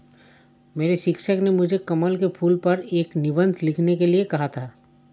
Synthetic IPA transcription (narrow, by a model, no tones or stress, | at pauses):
meːɾeʃɪkʃəknemʊd͡ʒʱekɐməlkepʰuːlpɐɾeːknɪbə̃nd̪ʱlɪkʰnekeliekɐɦat̪ʰaː